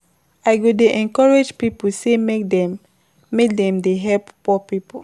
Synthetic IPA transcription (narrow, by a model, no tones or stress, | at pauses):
aɪɡodeʔɛ̃nkɔɹed͡ʒpipusemkdɛ | mek̚dɛ̃mdeɦɛlppɔpipu